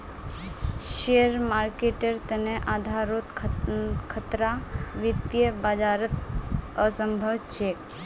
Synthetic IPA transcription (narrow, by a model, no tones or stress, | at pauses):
ʃeəɾmaːɾkeʈəɾt̪əneʔaːd̪ʱaːɾot̪ʰ | kʰət̪ɾaʋit̪jəbad͡ʒaːɾət̪əsəmbʱəʋt͡ʃʰe